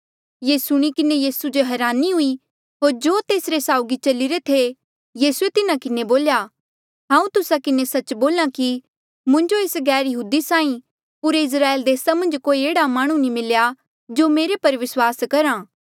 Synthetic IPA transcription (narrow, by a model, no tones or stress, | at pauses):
jeːsʊɽ̃ikɪnejiːsud͡ʒoɦɛːɾaːniɦʊi | ɦoːɾd͡ʒoːt̪eːsɾesaːʊɡit͡ʃɐliɾet̪ʰe | jiːsuet̪ɪnãkɪneboːlja | ɦãːũt̪ʊsakɪnesɐt͡ʃboːlãki | mʊ̃ɲd͡ʒoeːsɡɛːɾjɐɦuːd̪isaːĩ | puːɾeɪs̬ɾaːeːld̪eːsamɐ̃nd͡ʒkoːieːɽamãːɽ̃ũnĩmɪlja | d͡ʒomeːɾepɐɾʋɪswaːskɐɾãː